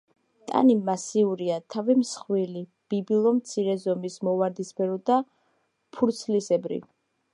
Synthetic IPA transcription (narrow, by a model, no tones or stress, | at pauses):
t̪ʼa̰nimasiuɾiat̪ʰavimsχwili | b̥ibilˠɔmt̪sʰiɾɛzɔmismɔvaɾd̪isbɛɾɔd̪a | pʰuɾt̪sʰlisɛbɾḭ